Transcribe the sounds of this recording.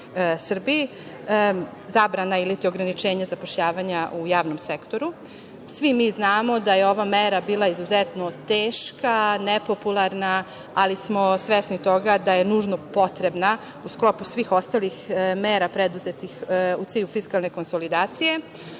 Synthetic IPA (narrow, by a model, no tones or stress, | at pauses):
sr̩bii | zaːbɾanailit̪io̞ɡɾanit͡ʃeːɲazapo̞ʃʎaːʋaɲaʔujaːʋno̞msekt̪o̞ɾu | sʋimiːznaːmo̞d̪ajeo̞ʋameɾabiːlˠaizuzet̪no̞t̪eːʃkanepo̞pulˠaɾna | alismo̞sʋesnit̪o̞ɡad̪ajenuːʒnopo̞t̪ɾe̞bna | usklo̞pusʋiːxo̞st̪alixmeːɾapɾed̪uzet̪ixut̪iːʎufiskalˠne̞ko̞nsolid̪aːt̪sije̞